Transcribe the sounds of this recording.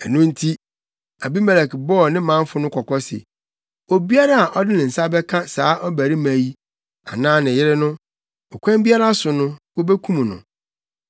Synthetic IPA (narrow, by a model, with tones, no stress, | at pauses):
ɛ˨nʊ̃˦n̩˦tʰi˦ | a˨bi˦mɛ˨lɛ˨kbɔː˦˨nɪ̃˦mã˦ɱ˦fʊ˦nʊ̃˦kʰɔ˨kʰɔ˦sɪ̰˨ | o˨bi˦a˦ɾa˦a˨ʔɔ˦dɪ˦nɪ̃˨n̩˨sa˦bɛ˦kʰã˦saː˨˦ʔɔ˦bæ˨ɾi˦mæ̃˨ji˦ | a̰˨nãː˦nɪ̃˨jɪ˦ɾɪ˦nʊ̃˦ | ɔ˨kʷʰã˦m˦bi˦a˦ɾa˦sʊ˨nʊ̃˦wo˦be˦kʰũ˦mũ˨nʊ̰̃˨